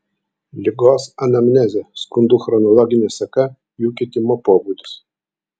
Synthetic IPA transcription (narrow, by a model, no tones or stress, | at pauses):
lʲɪɡoːsɐnɐmʲnʲɛzʲɛskʊnd̪uːxɾɔnɔlˠɔɡʲɪnʲesɐkɐ | juːkʲet̪ʲɪmoːpoːbuːd̪ʲʊs